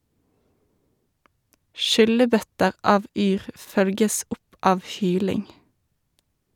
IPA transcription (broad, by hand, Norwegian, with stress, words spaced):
ˈʃʏləˌbœtəʁ ˈɑːʋ ˈyːʁ ˈfœlɡəs ˈʊp ˈɑːʋ ˈhyːlɪŋ